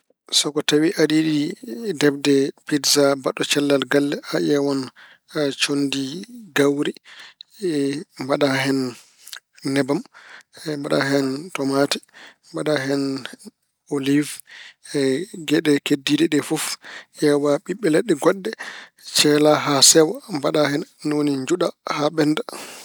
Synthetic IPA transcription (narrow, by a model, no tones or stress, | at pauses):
sɔkɔtawiʔaɗiɗidɛbdɛpidzabaɗːɔt͡ʃɛlːalɡalːɛaʔɛwan | t͡ʃondiɡawɾi | baɗaɦɛnː | ɛbam | mbaɗa̰ɦɛntɔmatɛ̥mbaɗaɦɛn | oliv | ɡɛɗɛkedːidɛɗɛfɔfʔɛwaɓiɓːɛlɛɗːɛɡɔɗːɛt͡ʃɛlaɦasɛwambaɗahɛnːoniɲd͡ʒuɗahaɓɛnda